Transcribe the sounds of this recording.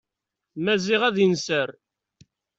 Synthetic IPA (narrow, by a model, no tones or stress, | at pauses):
mæziʁæðjənsəɾ